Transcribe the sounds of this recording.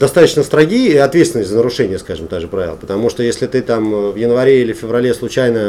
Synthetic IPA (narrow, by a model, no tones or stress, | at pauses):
d̪ɐst̪at̪ət͡ɕnəst̪ɾɐɡʲijɐt̪vʲet̪st̪vɪnːətʲzənəɾʊʂɛnʲɪjəskaʐɨmt̪aʐɨpɾavʲɪlˠəpə̥t̪ɐmuʂt̪ojesʲlʲɪt̪ɨt̪amvjɪnvɐɾʲeilʲɪffʲɪvɾɐlʲeslˠʊt͡ɕæjnə